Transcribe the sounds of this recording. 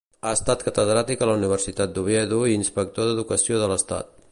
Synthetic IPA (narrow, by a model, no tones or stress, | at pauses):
əst̪at̪kət̪əðɾat̪ikələuniβ̞ərsit̪at̪̚d̪uβɛðuiːnspək̚t̪oðəðukəsioðələst̪a̰t̪̚